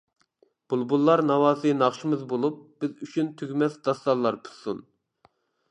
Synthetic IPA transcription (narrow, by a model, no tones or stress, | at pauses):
b̥ulˠbulˠːɑɾnɑwɑːsɨnɑχʃimɨzbolˠup̚b̥ɪzyt͡ʃʰynt̪ʰyɡʲmɛsd̪ɑst̪ɑlˠːɑɾpʰu̥sun